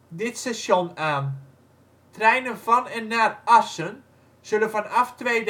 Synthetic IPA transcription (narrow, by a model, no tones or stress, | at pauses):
dɪtsɛsjonaːn | trɛjnənvɔnɛnːaːrasən | z̥ølənfanaftʋeːd